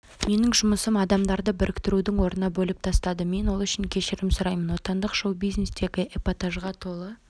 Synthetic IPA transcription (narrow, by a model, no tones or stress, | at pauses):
me̞nɪŋʒʊməsəmɑd̪ɑmd̪ɑɾd̪əbɪɾɪkt̪ɪɾud̪ɪŋwo̞ɾənɑbɵlˠɪp̚t̪ʰɑst̪ɑd̪əme̞nwo̞lˠʏʃɪŋkʲʰe̞ʃɪɾɪmsʊɾɑjmənwo̞t̪ɑnd̪əqʒowbijzne̞st̪e̞ɡʲɪʔepot̪aʒʁɑt̪ʰo̞lˠə